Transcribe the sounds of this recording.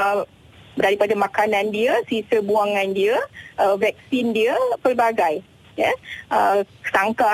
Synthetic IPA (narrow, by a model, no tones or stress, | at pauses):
daɾipadamãkanãndiəsisəbuaŋãndiəʔəvɛk̚sindiəpərbaɡaj | jaʔə | saŋka